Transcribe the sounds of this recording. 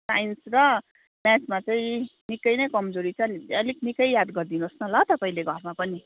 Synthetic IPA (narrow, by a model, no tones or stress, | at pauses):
sa̰jnsrʌ | mjat͡smat͡saĩnikʌjnʌjkʌmd͡zoɾit͡sʰʌniʌliknikʌjjad̪ɡʌrd̪inosnʌlʌt̪ʌpaĩleɡʱʌrmapʌni